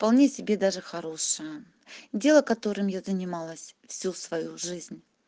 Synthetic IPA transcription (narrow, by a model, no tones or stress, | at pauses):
fpɐlˠnʲesʲɪbʲe̞d̪aʐɨxɐɾo̞ʂɨjə | dʲe̞lˠəkɐt̪o̞ɾɨmjazənʲɪmalˠəsʲfsʲusvɐjuʐɨzʲnʲ